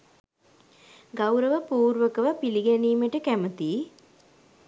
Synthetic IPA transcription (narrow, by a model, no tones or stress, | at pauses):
ɡawɾəʋəpuːɾʋəkəʋapiliɡæniːməʈəkæmət̪iː